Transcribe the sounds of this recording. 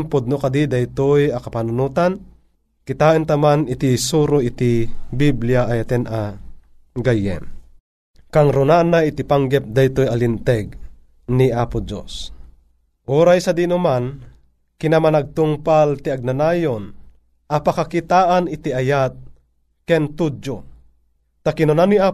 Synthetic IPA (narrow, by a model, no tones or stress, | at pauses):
mpʊd̪̚nokad̪id̪ajt̪ojɐkapanunuːt̪an | kit̪aːʔɨnt̪amanit̪isuɾoʔit̪ibiblijaʔajat̪ɛnʔa | ɡajɛ̰m | kaŋɾunanːait̪ipaŋɡɛp̚d̪ajt̪ojalint̪ɛɡ | niaːpud͡ʒo̰s | ʔuːɾajsad̪inuman | kinamanaɡ̚t̪uŋpalt̪iaɡ̚nanaːjon | ʔɐpakakit̪aːʔanit̪iajat̪̚ | kɛnt̪ud͡ʒo | t̪akinonania